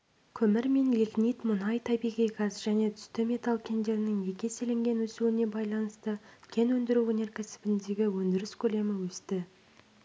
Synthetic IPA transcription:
kʲʰɵmɪɾme̞nliknit̪mʊnɑjt̪ʰɑbiʁijɡɑsʒ̥æne̞t̪ʰʏ̥st̪ɪme̞t̪alˠkʲʰe̞nd̪e̞ɾɪnɪŋje̞kʲe̞se̞leŋɡʲe̞nwɵsuwɪne̞bɑjlˠɑnəst̪əkʲʰe̞nwɵnd̪ɪɾuɵne̞ɾkʲʰæsɪ̥bɪnd̪e̞ɡʲɪwɵnd̪ɪɾɪskʲʰɵle̞mɪwɵst̪ɪ

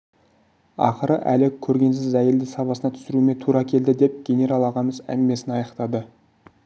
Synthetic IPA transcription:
ɑ̰qəɾəʔæ̰lɪkʲʰɵɾɡʲe̞ns̬ɪzæje̞ld̪ɪsɑpɑsənɑt̪ʰʏ̥sɪɾume̞t̪ʰuɾɑkʲʰe̞ld̪ɪd̪e̞p̚ɡʲe̞nʲe̞ɾɑlˠɑʁɑməzæ̰ŋɡʲɪme̞sɪnɑjɑqt̪ɑd̪ə

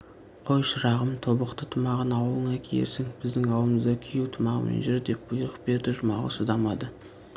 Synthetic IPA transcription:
qʰo̞jʃəɾɑʁəmt̪ʰo̞bəqt̪ət̪ʰʊmɑʁənɑwəlˠəɴɑkʲʰejḛɾsɪŋbɪzd̪ɪŋɑwəməzd̪ɑkʲʰejuwt̪ʰʊmɑʁə̰mḛnʒɪɾd̪e̞p̚b̥ʊjɾəq̚be̞ɾd̪ɪʒʊmɑʁə̰sʊd̪ɑmɑd̪ə

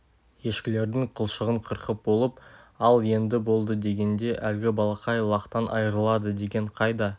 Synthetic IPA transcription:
je̞ʃkʲɪle̞ɾd̪ɪŋqʰəlˠʃəʁəɴqʰəɾqʰəp̚bo̞lˠəpɑlˠje̞nd̪ɪbo̞lˠd̪əd̪e̞ɡʲe̞nd̪e̞ʔælɡʲɪbɑlˠɑqɑjlˠɑqt̪ɑnʔɑ̰jəɾəlˠɑd̪əd̪e̞ɡʲe̞ɴqʰɑjd̪ɑ

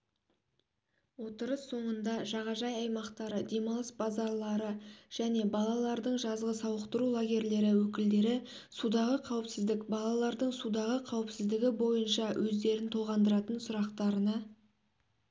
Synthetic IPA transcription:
wo̞t̪əɾəsːo̞ɴənd̪ɑʒɑʁɑʒɑjɑjmɑqt̪ɑɾəd̪e̞mɑlˠəsbɑzɑɾlˠɑɾəʒ̥æne̞bɑlˠɑlˠɑɾd̪əɴʒɑzʁəsɑwəqt̪əɾulˠaɡʲe̞ɾle̞ɾɪwɵkʲɪld̪e̞ɾɪ | sud̪ɑʁəqʰɑwɪpsɪzd̪ɪkbɑlˠɑlˠɑɾd̪əɴsud̪ɑʁəqʰɑwɪpsɪzd̪ɪɡʲɪbo̞jənʃɑwʔɵzd̪e̞ɾɪnt̪ʰoʁɑnd̪əɾɑt̪ənsʊɾɑqt̪ɑɾənɑ

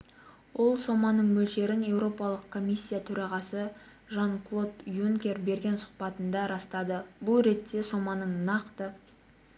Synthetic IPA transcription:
wo̞lˠso̞mɑnəɴmɵlʃe̞ɾɪne̞wɾo̞pɑlˠəqkʰːo̞mʲijsʲːijat̪ʰɵɾɑʁɑsə | ʒɑŋklˠo̞t̪juŋkʲe̞ɾbe̞ɾɡʲe̞nsʊ̥qpɑt̪ənd̪ɑɾɑst̪ɑd̪əbʊlˠɾe̞t̪ːe̞so̞mɑnəɴnɑqt̪ə

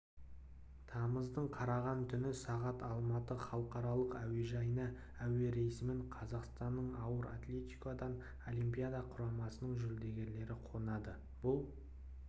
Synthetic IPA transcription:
t̪ʰɑməzd̪əɴqʰɑɾɑʁɑnt̪ʰʏnɪsɑʁɑt̪ɑlˠmɑt̪əχɑlˠəqɑɾɑlˠəqæwe̞ʒɑjənɑ | æwe̞ɾe̞jsmɪɴqʰɑzɑqst̪ɑnːəɴɑwəɾa̰t̪lʲe̞t̪ikod̪ɑn | o̞lijmpʲijad̪ɑqʰʊɾɑmɑsənəɴʒʏld̪e̞ɡʲe̞ɾle̞ɾɪqʰo̞nɑd̪ə | b̥ʊlˠ

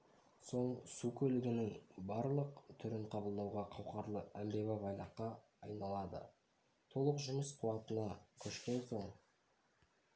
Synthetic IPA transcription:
so̞ɴsukʲʰɵlɪɡʲɪnɪŋbɑɾlˠəqt̪ʰʏɾɪɴqʰɑbəlˠd̪ɑwʁɑqʰɑwqɑɾlˠəæmbe̞væbɑjlˠɑqːɑ | ɑjnɑlˠɑd̪ə̰ | t̪ʰo̞lˠəqʒʏməsqʰuwɑt̪ənɑkʲʰɵʃkʲe̞nso̞ɴ

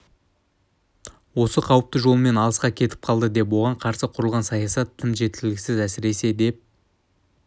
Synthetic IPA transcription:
wo̞səqʰɑwəp̚t̪əʒo̞lˠəme̞nɑlˠəsqɑkʲʰe̞t̪ɪ̥p̚qʰɑlˠd̪əd̪e̞p̬wo̞ʁɑɴqʰɑɾsəqʰʊɾəlˠʁɑnsɑjɑsɑt̪ʰːɪnʒe̞t̪̚kɪlɪɡʲɪsɪzæsɪɾe̞se̞d̪e̞p̚

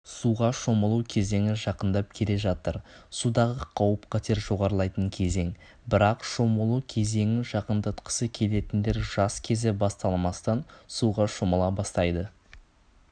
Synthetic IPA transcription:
suʁɑʃoməlˠuwkʲʰe̞ze̞ŋɪʒɑqənd̪ɑp̚kʲʰe̞le̞ʒɑt̪əɾsud̪ɑʁəqʰɑwəpqʰɑt̪ʰe̞ɾʒo̞ʁɑɾəlˠɑjt̪əŋkʲʰe̞ze̞ŋ | bɪɾɑqʃo̞məlˠukʲʰe̞ze̞ŋɪʒɑqənd̪ət̪qə̥səkʲʰe̞le̞t̪ɪnd̪e̞ɾʒ̥ɑskʲʰe̞zɪbɑst̪ɑlˠmɑst̪ɑnsuʁɑʃo̞məlˠɑbɑst̪ɑjd̪ə

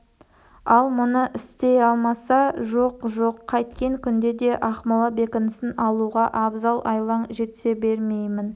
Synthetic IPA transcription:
ɑlˠmʊnəʔɪst̪e̞jɑlˠmɑsɑʒoqʒo̞qʰːɑjt̪kʲe̞ŋkʲʰʏnd̪e̞d̪e̞ʔɑχmɑlˠɑbe̞kʲɪnɪsɪnɑlˠuʁɑʔɑbzɑlˠʔɑjlˠɑɴʒe̞t̪se̞be̞ɾme̞jmɪn

